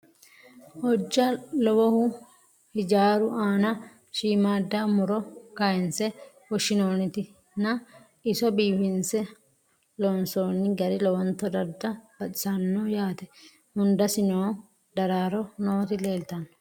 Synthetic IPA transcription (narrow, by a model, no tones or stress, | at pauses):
hɔd͡ʒːɐlɔwɔhʊ | hɪd͡ʒaːɾʊaːnɐ | ʃiːmaːd̪ːamʊɾɔkɐjɪnsɛ | wɔʃɪnoːnːɪt̪ɪ | nɐ | ɪsɔbiːbɪnsɛ | lɔnso̞ːnːɪɡɐɾɪlɔwɐnt̪ːɐd̪ɐɾd̪ɐb̥ɐt̪ʼɪ̥sɐnːoːjaːt̪ɛ̥ | hʊnd̪ɐsɪnoː | d̪ɐɾaːɾɔnoːt̪ɪle̞ːlt̪ɐn